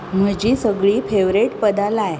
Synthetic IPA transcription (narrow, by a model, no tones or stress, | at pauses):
m̤əd͡ʑiːsəɡɭiːfʰeʋɾeʈpəd̪alaj